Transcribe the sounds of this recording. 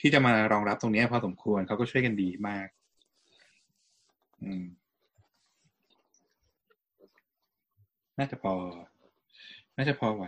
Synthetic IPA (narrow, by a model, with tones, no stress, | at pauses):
t̪ʰiː˥˩t͡ɕa˨˩maː˧ɾɔː˧ŋɾa˦˥p̚t̪o˧ŋni˦˥ɐ˨˩pʰɔː˧so˩˦mkʰu˧ənkʰa˦˥wkɔː˥˩t͡ɕʰu˥˩jka˧ndiː˧maː˥˩k̚ | ʔɯː˧m | naː˥˩t͡ɕa˨˩pʰɔː˧ | naː˥˩t͡ɕa˨˩pʰɔː˧wa˨˦